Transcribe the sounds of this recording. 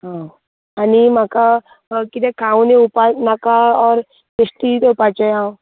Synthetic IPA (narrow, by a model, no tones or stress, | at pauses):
ɦã | animaka | kit̪ẽkʰaũnẽupanakaɔːɾ | pesʈit̪eupat͡ʃɔjã